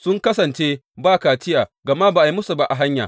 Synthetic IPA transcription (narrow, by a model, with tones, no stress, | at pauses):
sʊ˦ŋkɐ˦sɐ˨nt͡ʃeː˦ | baː˦kaː˨t͡ʃɪ˦jaː˨ɡɐ˨ma˦baː˨ʔa˨i˦mʊ˦su˨ba˦ʔa˨ɦa˦ɲja̰ː˨